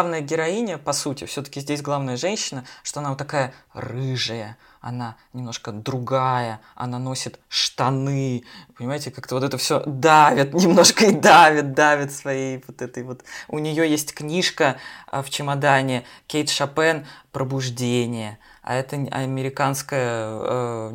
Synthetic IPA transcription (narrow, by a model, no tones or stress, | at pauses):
vnəjəɡʲɪɾɐinʲɪəpɐsutʲɪ̰fsʲɵt̪ə̥kʲɪzʲdʲesʲɡlˠavnəjəʐɛnʲɕːɪnəʂt̪oɐnavot̪ːɐkajərɨʐɨjə | ɐ̰nanʲɪmno̞ʂkəd̪ɾʊɡajə | ɐ̰nano̞sʲɪt̪ʂt̪ɐnɨpənʲɪmajɪtʲɪkakt̪əvot̪ɛt̪əfsʲod̪avʲɪt̪nʲɪmno̞ʂkəid̪avʲɪt̪̚d̪avʲɪt̪svɐjejvot̪ɛt̪əjvo̞t̪ʊnʲɪjo̞jesʲtʲknʲiʂkəə̰ft͡ɕɪmɐd̪anʲɪkʲejt̪ʂɐpɛnpɾəbʊʐdʲenʲɪjə | a̰ɛt̪əɐ̰mʲɪɾʲɪkanskəjə